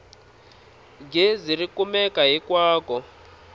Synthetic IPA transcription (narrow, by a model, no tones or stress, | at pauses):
ɡʱezirikumɛkaɦikwaːkɔ